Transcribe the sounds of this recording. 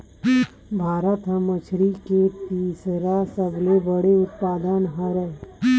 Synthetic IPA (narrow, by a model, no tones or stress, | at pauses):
bʱaːɾət̪ɦəmət͡ʃʰɾiket̪iːsɾasəblebəɽeʊt̪paːd̪ənɦəɾɛ